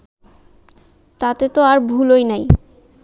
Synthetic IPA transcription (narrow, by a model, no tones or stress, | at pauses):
t̪at̪et̪oaɾbʱulojnaj